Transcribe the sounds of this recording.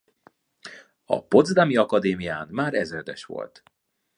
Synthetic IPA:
ɒ̰po̞d̪zd̪amiɒkɒd̪eːmijaːnmaːɾɛzɛrd̪ɛʃʋo̞̰lt̪

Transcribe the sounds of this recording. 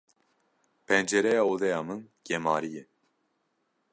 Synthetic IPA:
pʰɛnd͡ʒɛɾɛjɑːod̪ɛjaːmɨnɡ̥ɛmaːɾijɛ

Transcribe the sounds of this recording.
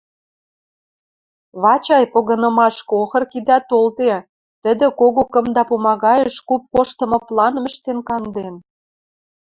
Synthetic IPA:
βɑt͡ɕɑjpoɣɤ̆nɤ̆mɑʃkoxɤ̆rkid̪æt̪olt̪e | t̪ə̆d̪ə̆koɣokə̆md̪ɑpumɑɣɑjəʃkup̚koʃt̪ɤ̆mɤ̆plɑnmə̆ʃt̪enkɑnd̪en

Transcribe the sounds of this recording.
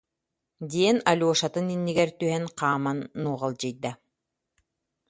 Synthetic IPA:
d̪iɛnalʲuɔʃat̪ɯninːiɡɛɾt̪yɦɛnqʰaːmanːuːʁalˠd͡ʑɯjd̪a

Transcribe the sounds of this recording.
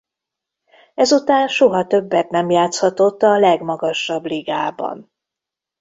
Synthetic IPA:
ɛzut̪aːnʃoɦɒt̪ø̞bːɛt̪nɛmjaːt̪shɒt̪o̞t̪ːɒlɛɡmɒɡɒʃɒbliɡaːbɒ̰n

